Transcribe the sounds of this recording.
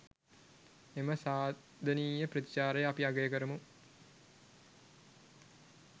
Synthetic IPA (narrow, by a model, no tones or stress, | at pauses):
eməsaː | d̪ʱɐniːjəprɐt̪it͡ʃaːɾəjəapiaɡɐjəkəɾəmu